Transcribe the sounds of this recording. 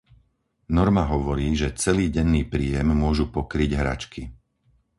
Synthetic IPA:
nɔɾmaɦɔʋɔɾiːʒɛt͡sɛliːɟɛnːiːpɾiːjɛmːʊɔʒupɔkɾiɟɦɾa̰t͡ʃki

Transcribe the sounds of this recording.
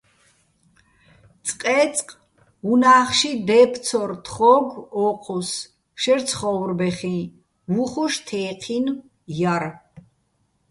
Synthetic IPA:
t͡s̪ʼqʼɛt͡sʼqʼ | unaːχʃid̪ɛp̪ʰsʰɔɾt̪ʰχɔɡɔqʼʰɔs | ʃɛɾt̪t͡sʰχɔwɾbɛχĩ | vuχuʃt̪ʰɛːqʰin | jaɾ

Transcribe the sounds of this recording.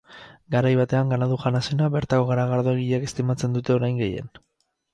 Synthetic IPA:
ɡaɾajβat̪e̞aŋɡanaðuʝanasenaβe̞ɾt̪ako̞ɣ̞aɾaɣaɾðoeɣiʎake̞st̪imat͡se̞nd̪ut̪e̞o̞ɾajŋɡe̞je̞̰n

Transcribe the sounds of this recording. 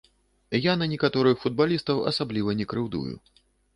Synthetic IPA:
janɐnʲɛkat̪ɔɾɨxfud̪̚balʲist̪ɐwɐ̰sablʲivɐnʲɛkɾɨwd̪ṵjṵ

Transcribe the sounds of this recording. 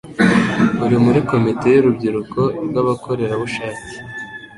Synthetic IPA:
uɾimuɾiko̞mite̞juɾubɟiɾuko̞ɾɡaβakʰo̞ɾe̞ɾaβuʃaːci̥

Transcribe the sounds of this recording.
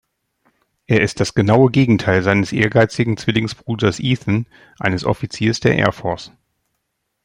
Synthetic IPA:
ʔeːɐɪst̚d̥asɡ̥ənaʊəɡeːɡŋ̩tʰaɪlzaɪnəsʔḛːɐɡaɪt͡sɪɡŋ̩t͡sv̥ɪlɪŋsb̥ʁuːdɐsʔiːθn̩ | ʔa̰ɪnəsʔɔ̰fit͡siːɐsd̥eːɐʔɛ̰ːɐfɔɐs

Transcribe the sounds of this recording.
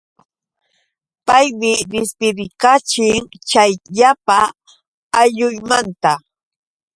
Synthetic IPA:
pajmɪɾɪspɪɾɪkat͡ʃɪŋt͡ʃajʎapaː | ʎʊjmant̪a

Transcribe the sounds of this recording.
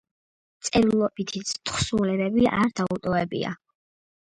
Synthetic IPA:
t̪sʼɛɾilˠɔbit̪ʰit̪sʰt̪χsulɛbɛbiaɾd̪̥aut̪ʼɔvɛbḭa̰

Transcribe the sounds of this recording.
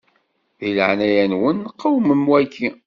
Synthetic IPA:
ðilə̰ʕnæjænwənːqːəwməmwækːi

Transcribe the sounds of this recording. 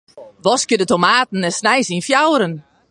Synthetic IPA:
ʋɔskədətomaːtn̩ɛsnɛjsinfjawɾən

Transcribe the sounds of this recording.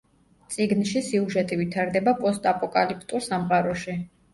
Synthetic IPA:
t̪sʼiɡnʃisiuʒɛt̪ʼivit̪ʰaɾd̪ɛbapʼɔst̪ʼapʼɔkʼalipʰt̪ʼuɾsamqʼaɾɔʃi

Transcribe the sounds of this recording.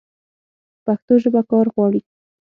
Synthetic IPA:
paxt̪oʒəbakɑɾɣwɑɽi

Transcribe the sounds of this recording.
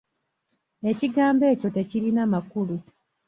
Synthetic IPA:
e̞ciɡaːmbe̞ːco̞te̞ciɾinamakulu

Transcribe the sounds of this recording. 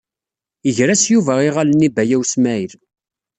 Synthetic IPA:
əʝɾæsjuvæiʁalənːibæjæwsmæiɾ

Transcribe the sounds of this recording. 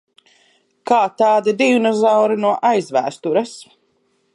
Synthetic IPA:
kaːt̪aːd̪id̪inɔzawɾinuɔʔajzvæ̰ːst̪uɾɐs

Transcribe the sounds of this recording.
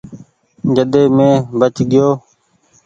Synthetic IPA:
d͡ʒəɗ̪eːmẽːbət͡ʃɡɪjoː

